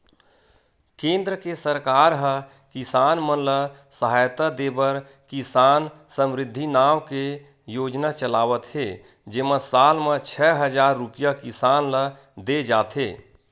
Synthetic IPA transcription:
kẽnd̪ɾəkesəɾkaɾɦə | kisanmənlə | səɦajt̪ad̪ebəɾ | kisan | səmɾɪd̪ʱːinawke | jod͡ʒnat͡ʃəlaːʋət̪ɦe | d͡ʒeməsalmet͡ʃʰɛɦəd͡ʒaɾːupijakisanlə | d̪ed͡ʒaːt̪ɦe

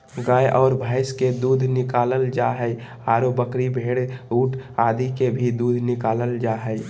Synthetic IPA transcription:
ɡaːjʔɔːɾbʱaːɪsked̪uːd̪ʱnɪkaːləld͡ʒaɦəj | aːɾobəkɾibʱeːɽuːʈʰaːd̪ʱikebʱid̪uːd̪ʱnɪkaːləld͡ʒaɦə

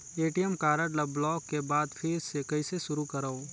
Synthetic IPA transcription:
eːʈijɛmkaːɾəɖlɐbːlɔːkːebaːd̪pʰɪɪsekɐiseʃʊɾukɐɾaːo

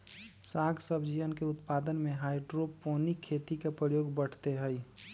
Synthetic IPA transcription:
saːɡsəbʱd͡ʒijənkeʊt̪paːd̪ənmẽɦaːɪɖɾopoːnikʰːeːt̪ikepɾəjoːɡbəɽ̤t̪eɦɛi

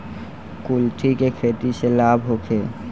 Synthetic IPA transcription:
kulʈʰikekʰeːʈ̪iselaːbʱɦokʰeː

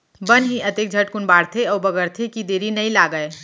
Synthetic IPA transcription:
bɐnɦiʔɐt̪eːk̚d͡ʒʱɐʈ̚kʊnbaːɽt̪ʰeɔːbɐɡəɾt̪ʰekid̪eːɾinɐĩlaːɡəe

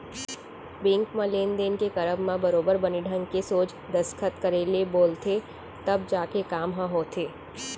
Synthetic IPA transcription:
bɪ̃ŋkmãleːnd̪eːnkekɐɾəbmãbəɾoːbəɾbəniɖʱə̃ŋkesoːt͡ʃ | d̪ɐskʰət̪kəɾeːleboːlt̪ʰe | t̪ɐb̚d͡ʒaːkekaːmɦãɦoːt̪ʰeː

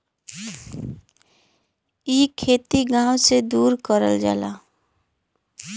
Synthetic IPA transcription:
ikʰeːt̪iɡãːwsed̪uːɾkəɾə̰ld͡ʒa̰ːla̰ː

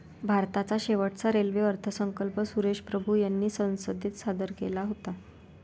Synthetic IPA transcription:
bʱaɾt̪at͡saɕeʋəʈt͡saɾelʋeəɾt̪ʰəsəŋkəlpəsuɾeɕpɾəbʱujanːiːsə̃w̃sod̪ʱiːt̪sad̪əɾkelaɦot̪a

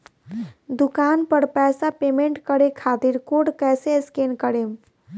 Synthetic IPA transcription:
d̪ukanpəɽpɛsapemeɳʈkəɾekʰat̪iɾkoɽkɛseskenkəɽem

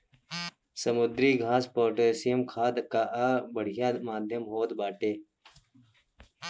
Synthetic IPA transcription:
sɐmud̪ɾiːɡʱaːspoːʈɐsijɐmkʰaːd̪kaʔabɐɽ̤ijaːd̪maːd̪ʱjɐmɦoːd̪baːʈeː

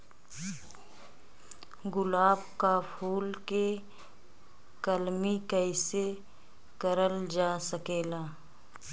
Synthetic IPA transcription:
ɡʊlaːbkapʰuːlke | kəlmikəɪse | kəɾəld͡ʒaːsəkeːlaː

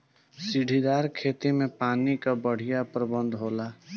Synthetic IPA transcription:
siɖʱid̪aːɾkʰet̪imẽpaːnikabəɽ̤ijapɾəbənd̪ʱɦola

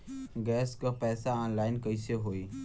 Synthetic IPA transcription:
ɡɛːskapɛːsaaːnlaːɪnkəiseɦoːiː

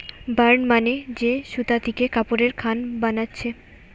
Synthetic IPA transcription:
baɾnmaned͡ʑeʃut̪at̪ikekapoɾeɾkʰanbanatːɕʰe

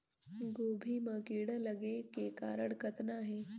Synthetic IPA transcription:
ɡoːbʱimɐ̃kiːɽəlɐɡekekaːɾəɽkɐt̪naɦɛː

